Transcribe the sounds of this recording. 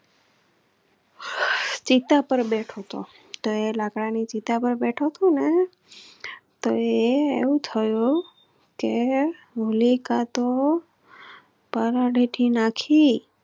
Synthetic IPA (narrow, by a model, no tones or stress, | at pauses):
t͡ʃit̪apəɾbeʈʰot̪o̰ | t̪oelakɽanit͡ʃit̪apəɾbeʈʰot̪ʰone | t̪oeeʋũt̪ʰəjũ | ke | ʋulikat̪o | pəɾaɖʱiʈʰinakʰi